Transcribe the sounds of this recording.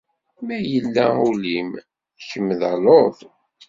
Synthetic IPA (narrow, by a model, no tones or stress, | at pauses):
mæjəlːæ̰ulim | çəmːðloθ